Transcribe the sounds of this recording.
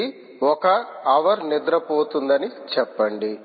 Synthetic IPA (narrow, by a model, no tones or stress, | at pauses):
i | ɔkɐːʋɐɾnid̪ɾɐpoːt̪und̪ɐnit͡ʃɛpːɐɳɖi